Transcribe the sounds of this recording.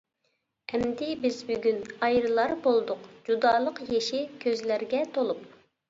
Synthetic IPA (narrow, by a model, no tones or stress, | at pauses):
ɛmd̪ɪbɪzbyɡʲynɑjɾɨlˠɑɾbolˠd̪ʊqd͡ʒud̪ɑːlˠəqjeʃikʲʰøzlæɾɡʲɛt̪ʰolˠup̚